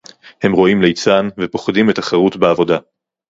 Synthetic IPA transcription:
he̞mʁo̞imlejt͡sanvepo̞χdimetaχeʁutbeavo̞da

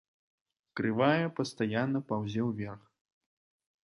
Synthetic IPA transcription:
kɾɨvajɐpɐst̪ajanːɐpawzʲɛwvʲɛrx

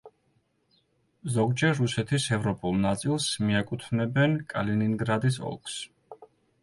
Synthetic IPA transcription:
zɔɡd͡ʒɛɾːusɛt̪ʰisɛvɾɔpʼulˠnat̪sʼilˠsmiɛkʼut̪ʰnɛbɛnkʼaliniŋɡɾad̪isɔ̰lˠkʰs

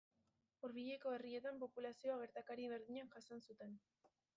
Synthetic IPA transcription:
uɾβiʎe̞ko̞erie̞t̪ampo̞pulasio̞aɣ̞e̞ɾt̪akaɾiβ̞e̞ɾðiɲanʝasonsut̪e̞n

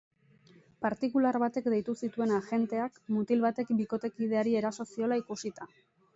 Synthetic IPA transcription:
paɾt̪ikulaɾβat̪e̞kd̪e̞jt̪usit̪ue̞naʝe̞nt̪e̞akmut̪ilβat̪e̞kbiko̞t̪e̞kið̞e̞aɾie̞ɾaso̞sio̞laikusit̪a

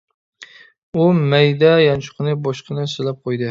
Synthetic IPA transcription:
umæjd̪ɛjɑnt͡ʃʰʊ̥qʰɨnɨbɒʃqʰɨnɨsɨlæp̚qʰojd̪ɨ

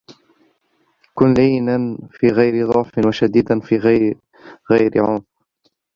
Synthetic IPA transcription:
kʊnliːnanfiːɣajɾɪd̪ˤɑʕfɪnwaʃad̪iːd̪anfiːɣa | ɣajɾɪ̰ʕʊm

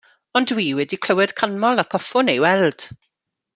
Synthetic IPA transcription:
ɔndwiːwɛdikʰl̥əwɛd̥kʰanmɔlˠakʰɔfʊnejwɛlˠd̥

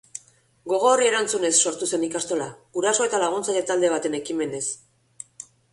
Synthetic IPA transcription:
ɡo̞ɣ̞o̞ːrie̞ɾant͡sune̞sːo̞ɾt̪use̞nikast̪o̞laɣ̥uɾaso̞e̞t̪alaɣ̞unt͡saʎet̪ald̪e̞β̞at̪e̞ne̞kime̞ne̞s

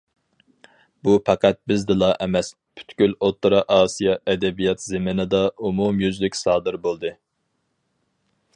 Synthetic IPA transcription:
bupʰɑqæt̪̚bɪzd̪ɨlˠɑʔɛmɛs | pʰy̥t̪kʲylot̪ːɨɾɑʔɑːsijɑɛd̪ɛbijɑt̪zemɪnɨd̪ɑumumjyzlykʲsɑːd̪ɨɾbolˠd̪ɨ

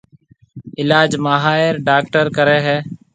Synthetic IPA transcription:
ɪlaːd͡ʒmaɦaːɪɾɖaːk̚ʈəɾkəɾeːɦɛː

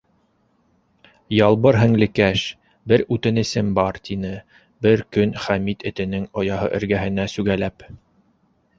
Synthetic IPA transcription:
jɑlˠβɤɾɦɘ̆ŋlɘ̆kæʃ | bɘɾʉt̪ɘ̆nɘ̆sɘmbɑɾt̪ʲʰinɘ | bɘɾkɵnχæmit̪ɘ̆t̪ɘ̆nɘŋŏjɑhɤ̰ʔɘ̰̆ɾɡæɦɘ̆næsʉɡælæp

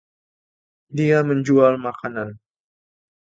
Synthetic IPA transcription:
diaməɲd͡ʒualmakanan

